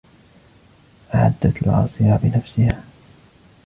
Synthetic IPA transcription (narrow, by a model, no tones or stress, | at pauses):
ʔaʕa̰d̪ːat̪l̰ʕɑ̰ːsˤɨjabɪnafsɪhaː